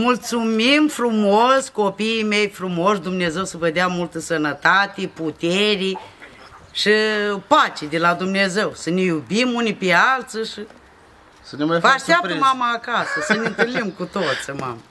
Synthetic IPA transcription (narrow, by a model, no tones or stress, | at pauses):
mult̪sumimfɾumosko̞piime̞jfɾumo̞ʃd̪umneeze̞wsəvəd̪eamult̪əsənət̪at̪eput̪eɾi | ʃɨpat͡ʃed̪elad̪umneze̞wsənejubimunipealt̪siʃɨ | sənemajfvaaʃt̪eapt̪əmamaːkasəsəneɨnt̪ɨlnimkut̪ot̪sʲəma̰mə